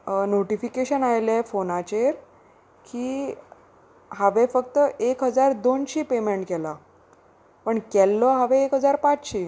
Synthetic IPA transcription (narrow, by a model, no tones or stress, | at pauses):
noʈifikeɕənajlɛfonat͡ɕeɾ | kiː | ɦaʋefək̚t̪əʔekɦəd͡zaɾd̪onɕiːpemeɳʈkɛla | pəɳkɛlːɔɦaʋẽekɦəd͡zaɾpat͡sɕiː